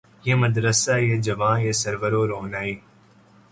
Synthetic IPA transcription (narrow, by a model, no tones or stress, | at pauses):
jeməd̪ɾəsaːied͡ʒəʋãːeːsəɾʋəɾoːɾoːnaːiː